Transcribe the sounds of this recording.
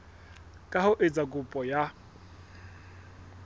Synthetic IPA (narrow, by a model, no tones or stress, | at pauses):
kʼahʊʔet͡sʼakʼʊpʼɔja